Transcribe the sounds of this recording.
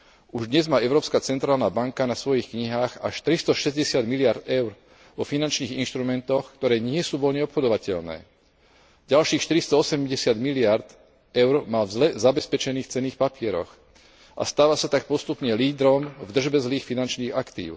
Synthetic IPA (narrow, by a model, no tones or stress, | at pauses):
uʒd̪ɲɛzmaːɛʊɾɔːpskat͡sɛnt̪ɾaːlnaːbaŋkanasʋɔjixkɲiɦaːɣaʃt̪ɾist̪ɔʃɛzɟɛsɪad̪milɪaɾd̪ɛʊɾ | ʋɔfinant͡ʃniːɣinʃt̪ɾumɛnt̪ɔxkt̪ɔɾɛːɲɪɛsuːʋɔʎɲɛɔpxɔd̪ɔʋacɛʎnɛ̰ː | ɟalʃiːxʃt̪iɾist̪ɔɔsɛmɟɛsɪad̪milɪaɾd̪ | ɛʊɾmalzlɛzabɛspɛt͡ʃɛniːxt͡sɛniːxpapɪɛɾɔ̰x | ʔa̰st̪aːʋasat̪ak̚pɔst̪upɲɛliːd̪ɾɔmvd̪r̩ʒbɛzliːxfinant͡ʃniːɣakt̪ḭːʊ